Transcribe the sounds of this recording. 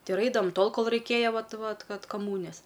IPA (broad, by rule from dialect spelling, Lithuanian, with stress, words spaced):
ˈtɐɪ ɪr ˈɐɪdɐʋɐm ˈtoːlˠ ˈkoːlˠ rɐɪˈkʲeːjɛ ˈʋɐt ˈʋɐt ˈkɐt kɐˈmuːnʲɪjɛs